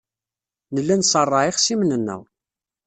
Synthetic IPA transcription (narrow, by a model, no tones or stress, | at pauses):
nəlːænsˤərˤːɑʕiχsimnənːæ̰w